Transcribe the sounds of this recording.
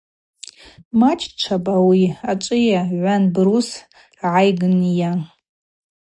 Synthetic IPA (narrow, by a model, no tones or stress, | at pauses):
mat͡ʃʰʼt͡ʃʷʰabʼawiat͡ʃʷʼɨjaʕʷanbrus | ʕajɡɨnja